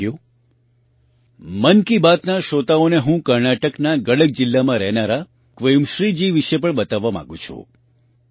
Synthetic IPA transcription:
ju | mənkibat̪naʃot̪aoneɦũkəɾnaʈəknaɡəɽəɡ̚d͡ʒɪlːamãɾɛɦnaɾa | kʋəjumʃɾid͡ʒiʋiʃep̬əɳbət̪aʋːamã̰ɡũt͡ʃʰṵ

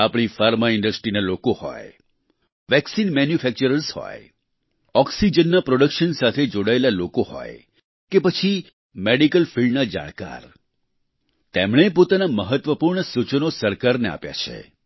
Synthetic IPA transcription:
apɽ̃ifaɾmaɪɳɖəsʈɾinalokohɔ̰j | ʋɛksinmɛnjufʰɛk̚t͡ʃəɾəɾshɔ̰j | ɔksid͡ʒənːapɾoɽəkʃənsat̪ʰed͡ʒoɽaelalokoɦɔ̰j | kepət͡ʃʰi | meɽikəlfiɭɖnad͡ʒa̰ɽ̃ka̰ɾ | t̪emɽ̃epot̪anaməɦət̪ʋəpuɾɳəsut͡ʃənosəɾkaɾnea̰pja̰t͡ʃʰḛ

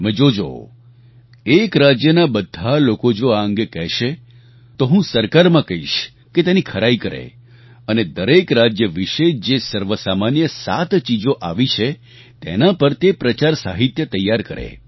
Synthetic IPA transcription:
mɛ̃d͡ʒod͡ʒo̰ | ekɾad͡ʒjənabəd̪ʱalokod͡ʒoaə̃ŋɡekɛɦʃe | t̪oɦũsəɾkaɾmãkəɦiʃ | ket̪enĩkʰəɾaikəɾḛ | əned̪əɾekɾad͡ʒjəʋiʃed͡ʒesəɾʋəsamanjəsa̰t̪t͡ʃid͡ʒoʔaʋit͡ʃʰe | t̪ḛnãpəɾt̪epɾət͡ʃaɾsa̰ɦit̪jət̪əjːaɾkəɾḛ

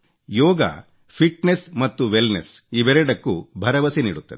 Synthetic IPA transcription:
jɔːɡɐ̰ | pʰiʈnesmɐt̪ːuʋelnesiːʋeɾeɖɐkːubʱɐɾɐʋɐsenḭːɽut̪ːɐd̪ɛ

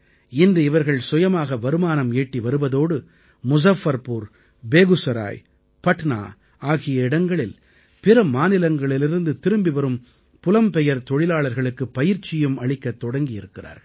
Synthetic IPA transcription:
ɪndrɯɪʋɐɾɣɐɭsʊjɐmaːɣɐʋɐɾɯmaːnɐmeːʈːiʋɐɾɯʋɐðoːɽɯ | mʊsɐfɐɾpuːɾ | beːɣɯsɐɾa̰ːj | pɐʈna̰ː | aːɣɪjɐɪɽɐŋɡɐɭɪl | pɪɾɐmaːnɪlɐŋɡɐɭɪlɪɾɯnd̪ɯt̪ɪɾɯmbiʋɐɾɯm | pʊlɐmpɛjɐɾt̪ɔɻɪlaːɭɐɾɣɐɭɯkːɯpːɐjɪɾt͡ʃːɪjɯmɐɭɪkːɐt̪ːɔɽɐŋɡɪjɪɾɯkːɪra̰ːɾɐ

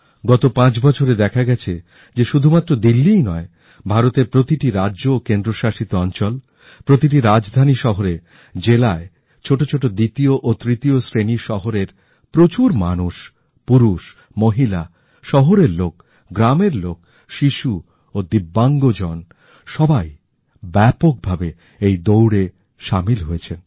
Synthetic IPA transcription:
ɡɔt̪opãt͡ɕbɔt͡ɕʰoɾed̪ɛkʰaɡɛt͡ɕʰe | d͡ʑeʃud̪ʱumat̪ːɾod̪ilːijnɔe | bʱaɾot̪epɾot̪iʈiɾaʑokend̪ɾoʃaʃit̪oɔnt͡ɕɔl | pɾot̪iʈ̬iɾad͡ʑd̪ʱaniʃɔɦoɾe | d͡ʑelae | t͡ɕʰoʈot͡ɕʰoʈod̪it̪ioʔot̪ɾit̪iosɾeniʃɔɦoɾeɾ | pɾot͡ɕuɾmanuʃ | puɾuʃ | moɦila | ʃɔɦoɾeɾlok | ɡɾameɾlok | ʃiʃu | od̪ibːaŋɡod͡ʑɔn | ʃɔbaj | bɛpok̚bʱabe | ejd̪owɽe | ʃamilɦojet͡ɕʰen

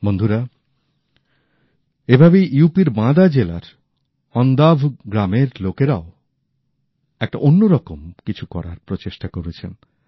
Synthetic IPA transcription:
bond̪ʱuɾa | ebʱabejʔiwpiɾmãd̪ad͡ʑela̰ɾ | ɔnd̪abʱɡɾameɾlokeɾao | ɛk̚ʈa̰ʔonːoɾɔkomkit͡ɕʰukɔɾa̰ɾpɾot͡ɕeʃʈakoɾet͡ɕʰen

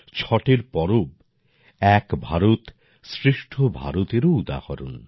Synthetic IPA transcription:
t͡ɕʰɔʈeɾpɔɾob | ɛkbʱaɾot̪ | sɾiʃʈʰobʱa̰ɾot̪eɾoud̪a̰kɔɾun

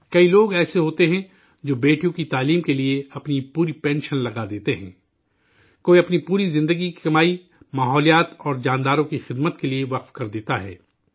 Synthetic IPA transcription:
kɐiloːɡɛːseɦoːt̪eɦɛ̃ | d͡ʒoːbeːʈijõkit̪aːliːmkelieɐpnipuːɾipɛ̃ːnʃənlɐɡad̪eːt̪eɦɛ̰̃ː | koːiɐpnipuːɾizɪ̃nd̪əɡikikɐmaːi | maːɦɔːlijaːt̪ɔːɾd͡ʒaːnd̪aːɾõkixɪd̪mət̪kelieʋɐqfkɐɾd̪eːt̪aɦɛ̰ː

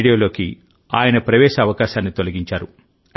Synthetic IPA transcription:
ɽijoːlo̞ːki | a̰ːjɐnɐpɾɐʋɛːʃɐːʋɐkaːʃaːnːit̪o̞lɐɡiɲt͡ʃaːɾu

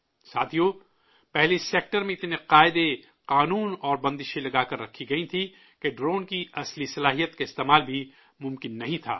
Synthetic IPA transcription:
saːt̪ʰijo | pɛɦleseːk̚ʈəɾmẽɪt̪neqaːɪd̪e | qaːnuːnɔːɾbɐ̃nd̪ɪʃelɐɡaːkɐɾːɐkʰːiɡɐĩt̪ʰi | keɖɾoːnkiɐslisɐlaːɦijət̪kaɪst̪eːmaːlbʱi | mʊ̃mkɪnːɐɦĩt̪ʰa̰ː

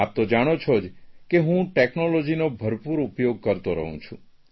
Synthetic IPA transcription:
ap̚t̪od͡ʒaɽ̃ot͡ʃʰɔd͡ʒkeɦũʈeknolɔd͡ʒinobʱəɾpuɾupjoɡ̚kəɾt̪oɾə̰ɦṵ̃t͡ʃʰṵ̃

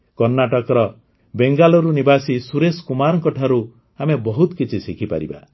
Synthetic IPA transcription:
kɔɾnaʈɔkɔɾɔ | beŋɡalɔɾunibasisuɾeskumaɾɔŋkɔʈʰaɾu | amebɔɦut̪ɔkit͡ʃʰisikʰipa̰ɾḭba̰

